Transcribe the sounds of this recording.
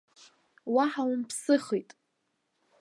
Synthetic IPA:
waħawmpʰsɨχijtʼ

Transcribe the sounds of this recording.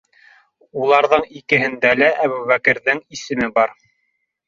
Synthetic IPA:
ulˠɑɾðɤɴikɘ̆ɦɘ̆nd̪ælæʔæβʉβækɘ̆ɾðɘŋisɘ̆mɘbɑɾ

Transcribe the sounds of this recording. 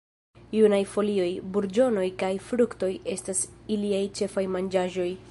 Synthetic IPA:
junajfo̞lio̞jbuɾd͡ʒo̞no̞jkajfɾukto̞je̞stasiliajt͡ʃe̞fajmand͡ʒaʒo̞j

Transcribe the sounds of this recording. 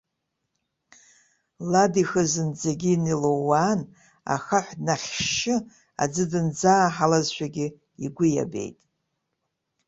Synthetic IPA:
ladixɨzɨnd͡zeɡʲinilowan | a̰χaħʷnaχʲʃɪ | a̰d͡zɨdɨnd͡zaːħalazʃʷᶣaɡʲɪ | iɡʷʊja̰be̞̰jtʼ

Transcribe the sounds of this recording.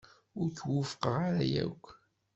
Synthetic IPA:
ʊɾçwəfə̥qʁaɾæjæ̰kʷː

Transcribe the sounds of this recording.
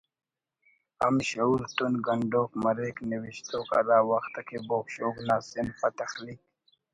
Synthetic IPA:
a̰mɕault̪unɡəɳɖoːkməɾekniwiɕt̪oːka̰d̪aːwaxt̪akʰeboːkʃoːɡnaːsinpat̪axliːk̚

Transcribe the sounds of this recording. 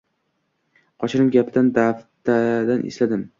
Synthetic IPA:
qʰɒt͡ʃʰɪɾɪmɡʲapʰɪd̪and̪aft̪ad̪anʔɪ̰slad̪ɪm

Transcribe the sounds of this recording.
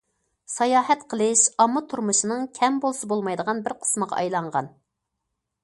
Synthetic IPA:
sɑjɑːɦɛt̪qʰəlˠɨʃɑmːɑt̪ʰuɾmuʃinɨŋkʲʰɛmbolˠsɑbolˠmɑjd̪əʁɑnbɪɾqʰə̥sməʁɑ̰ʔɑjlˠɑɴʁɑ̰n

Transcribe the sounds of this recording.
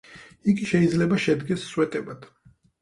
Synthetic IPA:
iɡiʃɛid̪zlɛbaʃɛd̪ɡɛsːwɛt̪ʼɛbat̪ʰ

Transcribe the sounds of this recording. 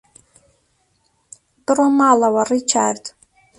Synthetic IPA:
b̥ɨromalawarit͡ʃʰa̰rtʼ

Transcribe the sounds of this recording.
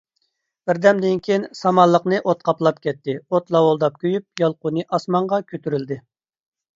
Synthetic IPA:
b̥ɪɾd̪ɛmd̪ɪnkʲʰejnsɑmɑlˠːəqnɨʔot̪̚qʰɑplˠɑp̚kʲʰɛt̪ːɪot̪lˠɑwolˠd̪ɑp̚kʲʰøjyp̚jɑlˠqunɨʔɑsmɑɴʁɑkʲʰøt̪ʰyɾyld̪ɪ

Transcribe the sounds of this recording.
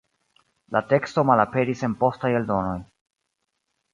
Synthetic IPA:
late̞ksto̞malape̞ɾise̞npo̞staje̞ldo̞no̞j

